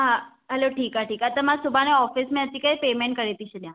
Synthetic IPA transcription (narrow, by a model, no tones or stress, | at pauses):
ɦã | ɦɛloʈʰiːkɦaʈiːkat̪amãsubʱaneɔfismẽət͡ɕikaipemeɳʈ̚kəɾet̪iɕəljã